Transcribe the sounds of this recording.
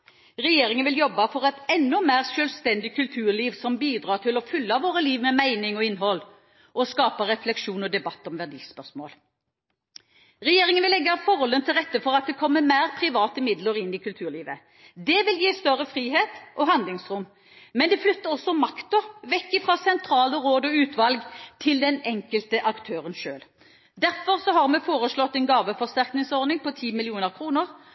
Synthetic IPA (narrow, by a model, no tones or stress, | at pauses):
ʁɛjeːʁɪŋənʋɪljɔbːɑfɔʁɛt̪ɛnːʊmæːʁʃœːlʋst̪ɛnd̪ɪkʰʉlt̪ʰʉːʁliːʋsɔmbiːd̪ɾɑːʁt̪ʰɪlɔfʉlːɑʋoːɾəliːʋmɛmæɪnɪŋɔɪnɦɔl | ʔɔskɑːpɑɾɛflɛkʃuːnɔd̪ɛbɑt̪ːɔmʋæʁd̪ḭːspœʂmo̰ːl | ʁɛjeːʁɪŋənʋɪlɛɡːɑfɔʁhɔlːənt̪ʰɪlʁɛt̪ːəfɔʁɑt̪̚d̪ɛkʰɔmːəmæːʁpʰʁɪʋɑːt̪əmɪd̪ləɾɪnːɪkʰʉlt̪ʰʉːʁliːʋə | d̪ɛʋɪljiːst̪œʁəfʁiːɦeːt̪ʔɔɦɑnd̪lɪŋsʁʊm | mɛnd̪ɛflʏt̪ːəʁɔsːɔmɑkt̪ɔʋɛkːɪfɾɑːsɛnt̪ʰʁɑːləʁoːd̪ɔʉːt̪ʋɑlɡt̪ʰɪld̪ɛnɛŋkəlt̪əʔɑkt̪ʰøːʁənʃøːl | d̪æʁfɔʁsɔhɑʁmɛfoːʁəslɔt̪ːɛnɡɑːʋəfɔʁst̪æʁknɪŋsɔʁnɪŋpɔt̪ʰiːmɪlɪuːnəʁkʰʁuːnəʁ